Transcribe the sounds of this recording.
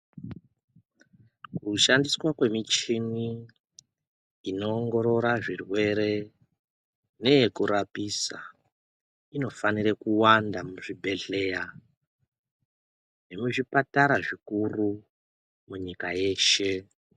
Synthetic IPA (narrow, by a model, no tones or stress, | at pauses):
kuʃandiswakwe̞mit͡ʃini | ino̞ːŋɡo̞ɾo̞ɾaʐirwe̞ɾe̞ | ne̞jekuɾapisa | ino̞fanirekuwandamuʐibʱe̞ɮe̞ja | nemuʐipataɾaʐikuru | muɲikaje̞ːʃe̞